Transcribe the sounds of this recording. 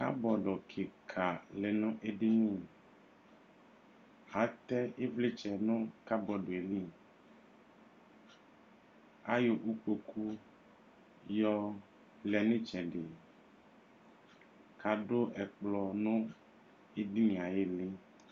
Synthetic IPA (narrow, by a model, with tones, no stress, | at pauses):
ka̰˦bɔ˨ɖɔ˨kʰe˨kʰa˨lɛ˨nɔ̃˦ʔe˦di˦nĩ˦˨ | a˨˦t̪ɛ˦ʔe˦vle˦t͡ʃɛ˨nõ˦ka˦bɔ˨ɖo˨e˨li˦˨ | a˦jo˨ʔu˦k͡po˨kʰu˦ | jɔ˦ | lɛ˨nĩ˦t͡ʃɛ̃˨ɖe˨ | kʰa˨˦ɖo˦ʔɛ˨k͡plɔ˨nõ˦ | e˦di˦nĩ˨a˨je˦le˦